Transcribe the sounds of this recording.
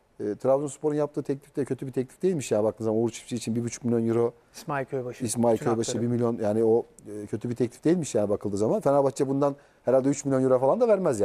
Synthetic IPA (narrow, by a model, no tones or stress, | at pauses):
ɛːt̪ʰɾavlonspʰo̞ɾunjap̚t̪ʰɯːt̪ʰɛclʲift̪ɛcʰøt̪ybit̪ʰɛclʲi̥fd̪e̞jilʲmiʃjaːnbakt̪ʰɯnzamanouɾt͡ʃʰɯ̥pʃʰiit͡ʃʰinbibyt͡ʃʰy̥cmilʲjo̞njuɾo | majkʰøbaʃismajʰojbaʃɯbiɾmilʲjo̞njaːnio | cʰø̞t̪ʰybit̪ʰɛclʲifd̪e̞jilʲmiʃjaːnibakʰɯlˠd̪ɯːzamanfɛnabat͡ʃɛbund̪an | hɛɾalʲd̪ɛyt͡ʃmilʲjo̞njuɾofalˠand̪avæɾmæzjaː